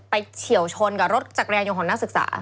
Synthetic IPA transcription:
pa˧jt͡ɕʰi˨˩˦əwt͡ɕʰo˧nka˧˨˩ɾo˦˥t̪̚t͡ɕaː˨˩kɾjaː˧o˧kʰɔː˨˩ŋna˦˥sɯ˨˩k̚sa̰ː˩˦

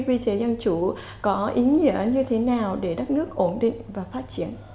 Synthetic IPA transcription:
vi˧t͡ɕe˨˦zə˧nt͡ɕu˧˩ | kɔ˨˦ʔi˨˦ɲə̰˧˥ɲɨ˧t̪ʰe˨˦naː˨˩wɗe˧˩ɗə˦˥t̚nɨ˦˥ək̚ʔo˧˩nɗḭ̈˧˨ŋ̟vaː˨˩faː˦˥t̚t͡ɕi˧˩ən

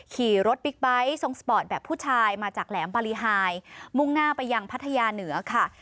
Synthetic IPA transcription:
kʰiː˨˩ɾo˦˥t̪̚bi˦˥k̚ba˦˥jso˧ŋspɔː˨˩t̪̚bɛː˨˩pʰːuː˥˩t͡ɕʰaː˧jmaː˧t͡ɕaː˨˩k̚lɛː˩˦mbaː˧liː˧ɦaː˧jmu˥˩ŋnaː˥˩pa˧jːa˧ŋpʰa˦˥t̪ʰːa˧jaː˧nɯ˩˦ɐkʰa˥˩

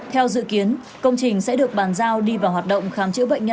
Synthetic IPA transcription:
t̪ʰɛ˧wzɨ̰˧˨ki˨˦ən | kə˧wŋ͡mt͡ɕï˨˩ŋ̟sɛ̰˧˥ɗɨ˨˩ək̚ɓaː˨˩nzaː˧wɗi˧vaː˨˩whwaː˨˩t̚ɗə̰˧˨wŋ͡mxaː˨˦mt͡ɕɨ̰˧˥ɓə̰˧˨ŋ̟ɲə˧

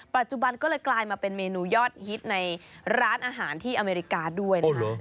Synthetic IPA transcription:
pa˨˩t̪̚t͡ɕu˧˩ba˧nkɔː˥˩lɤː˧jklaː˧jmaː˧pe˧nmeː˧nuː˧jɔː˥˩t̪̚hi˦˥t̪̚na˧jɾaː˦˥nʔaː˧ɦaː˩˦nt̪ʰiː˥˩ʔa˧meː˧ɾi˧˥kaː˧du˥˩əjn˦˧k

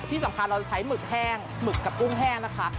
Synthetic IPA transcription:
t̪ʰiː˥˩sa˩˦mkʰa˧nɾa˧t͡ɕa˧t͡ɕʰa˦˥jmɯ˨˩k̚hɛː˥˩ŋ | mɯ˨˩kːa˨˩p̚ku˥˩ŋɦɛː˥˩ŋna˦˥kʰa˦˥

